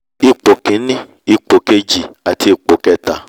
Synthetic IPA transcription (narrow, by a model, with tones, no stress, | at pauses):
i˧k͡po˨kĩ˨˦nĩ˦ | i˧k͡po˨ke˧d͡ʒi˨a˨ti˧˦i˨k͡po˨kɛ˧ta˨